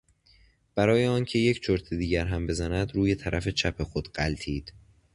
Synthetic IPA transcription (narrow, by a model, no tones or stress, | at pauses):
b̥æɾɒːje̞ɒːncʰe̞je̞cʰt͡ʃʰoɾt̪ʰed̪iːɟæɾɦæmbe̞zænæd̪ɾuːje̞t̪ʰæɾʔæfe̞t͡ʃʰæpʰe̞xod̪̥ɢælt̪ʰiːd̪̥